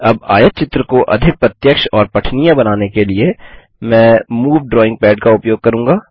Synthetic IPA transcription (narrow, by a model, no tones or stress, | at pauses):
ɐba̰ːjət̪̚t͡ʃɪt̪ɾəkoʔɐ̰d̪ʱɪk̚pɾɐt̪jəkʃɔːɾpɐʈʰnijabɐnaːnekelie | mɛ̃ːmuːʋɖɾɔːɪ̃ŋɡ̚pɛːɖkaʊpjoːɡ̚kɐɾũːŋɡaː